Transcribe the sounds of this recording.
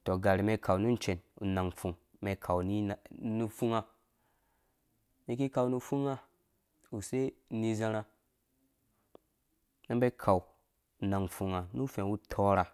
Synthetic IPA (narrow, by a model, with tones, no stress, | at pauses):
to˨ɡa˨ɾi˨me˧kʰa˨wnu˦n˦t͡ʃe˨nṵ˨na˨ŋfu˨ŋ | me˧kʰa˨wni˦˨nu˦fu˦ŋa˧ | ni˧ki˦ka˧˨wnu˦fu˦ŋa˦ | u˨se˦˨ni˧za˧ɾa˧ | na˦mbe˦kʰa˨w | na˨ŋfu˨ŋa˨nu˦fe˨wu˦tʰo˦ɾa˨